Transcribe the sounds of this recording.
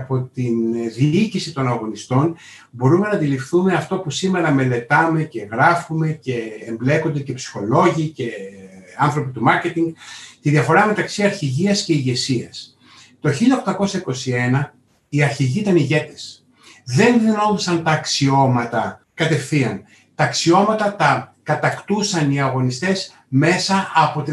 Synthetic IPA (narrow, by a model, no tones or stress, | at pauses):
po̞t̪inðiicisit̪o̞nɐɣo̞nist̪o̞n | bo̞ɾume̞nɐd̪ilifθume̞ɐft̪o̞pusime̞ɾɐme̞le̞t̪ɐme̞ce̞ɣɾɐfume̞ce̞ːmble̞ko̞nd̪ece̞psi̥xo̞lo̞ʝiːce̞ɐnθɾo̞pit̪umɐɾce̞t̪iŋɡt̪iðiɐfo̞ɾɐme̞t̪ɐksiɐɾçiʝiɐsce̞iʝe̞siɐs | t̪o̞çiʎɐo̞xt̪ɐko̞sɐiko̞sie̞nɐ | iɐɾçiʝiit̪ɐniʝe̞t̪e̥s | ðe̞nðino̞ðisɐnt̪ɐːksio̞mɐt̪ɐ | kɐt̪e̞fθiɐn | t̪ɐːksio̞mɐt̪ɐt̪ɐkɐt̪ɐkt̪usɐniɐɣo̞nist̪e̞s | me̞sɐɐpo̞t̪i